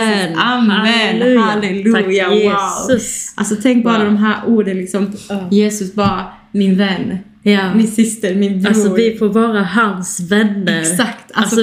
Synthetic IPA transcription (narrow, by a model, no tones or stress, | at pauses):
amɛlalɛlaeːasʊsa̰lsɔt̪ʰɛŋk̚bɑːɾad̪ɔmɦæːɾʔuːɖənlɪksɔmjeːsɵsbɑːɾa | mɪnvɛnː | jmɪnsɪst̪əmɪnbausɔːvɪfoːɾvɑːɾaɦansvɛnːəɾsakt̪asɔ